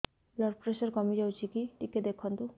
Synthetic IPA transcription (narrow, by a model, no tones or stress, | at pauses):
lɔɾpɾesɔɾkɔmid͡ʒawt͡ʃʰikiʈiked̪ekʰɔnt̪u